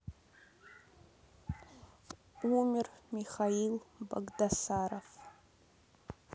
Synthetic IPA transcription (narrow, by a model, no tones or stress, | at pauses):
umʲɪrmiχailba̰ɡdasaɾaf